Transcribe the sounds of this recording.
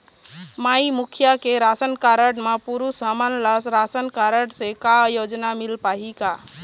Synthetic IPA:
maːimʊkʰjakeɾaːsənkaɾəɽmãpuɾusamənləsɾasənkaɾəɽsekajod͡ʒnamɪlpaːɦika

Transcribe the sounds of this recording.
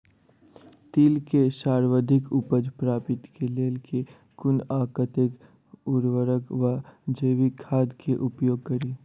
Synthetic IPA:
t̪iːlkeʃaːɾʋəd̪ʱɪkʊpəd͡ʒpɾaːpɪt̪keleːlkʰe | kʊnaːkət̪ek | ʊɾʋəɾəkʋəd͡ʒeːʋikʰaːd̪kʰeʔʊpjoːɡ̚kɐɾiː

